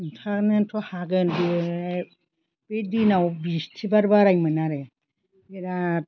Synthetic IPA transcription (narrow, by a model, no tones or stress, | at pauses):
ntʰaknɯntʰɔhaɡɯndi | pedinawbistʰibaɾbaɾajmɯnaɾe | eɾa